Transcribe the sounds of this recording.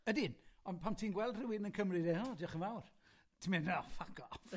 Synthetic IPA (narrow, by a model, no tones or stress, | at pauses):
ədɪnɔnpʰamtʰiːnɡwɛlˠdrɪwɪnənkʰəmrɨdɛɔdiɔχənvawr | tʰimɛnafakɔ